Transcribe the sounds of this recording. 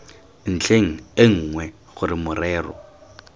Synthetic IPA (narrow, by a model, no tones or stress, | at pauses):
n̩t͡ɬʰeŋ̩ɪŋ̩ːŋwɛ | ɣʊrɪmʊrɛːrɔ̰